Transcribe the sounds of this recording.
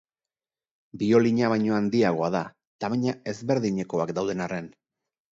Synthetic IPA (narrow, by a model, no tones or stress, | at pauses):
bio̞liɲaβajɲo̞and̪iaɣ̞o̞aða | t̪amaɲae̞zβe̞ɾðiɲe̞ko̞akd̪awðe̞nare̞n